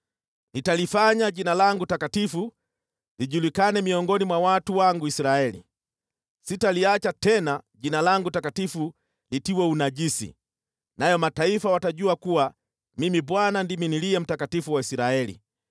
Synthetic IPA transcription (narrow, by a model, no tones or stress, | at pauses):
nitalifaɲaɟinalaŋɡutakatifu | liʄulikanɛmiɔŋɡɔnimwawatuwaŋɡuisɾaɛlḭ | sitaliat͡ʃatɛnaʄinalaŋɡutakatifu | litiwɛunaʄisḭ | najɔmataifawataʄuakuwa | mimibwanandiminiliɛm̩takatifuwaisɾaɛlḭ